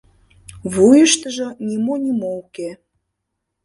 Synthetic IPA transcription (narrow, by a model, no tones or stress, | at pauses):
βujəʃt̪əʒə̆nʲimonʲimouke